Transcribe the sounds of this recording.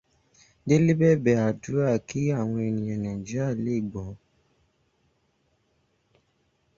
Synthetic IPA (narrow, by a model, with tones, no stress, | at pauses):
de˦le˦bɛ˦bɛ˨a˨du˨˦a˦˨kʰi˦a˦˨w̃ɔ̃˧e˨nĩ˨ɛ˨nɛ̃˨d͡ʒi˦a˦˨le˦˨ɡ͡bɔ̃˨˦